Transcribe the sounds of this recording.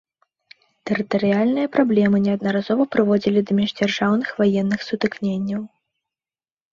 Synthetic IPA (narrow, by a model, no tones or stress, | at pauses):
t̪ɛɾɨt̪ɐɾɨjalʲnɨjɐpɾablʲɛmɨnʲɛɐd̪̚nɐɾazɔvɐpɾɨvɔd͡zʲilʲid̪ɐmʲɛʐd͡zʲarʐawnɨxvajɛnːɨxsut̪ɨknʲenʲːɐw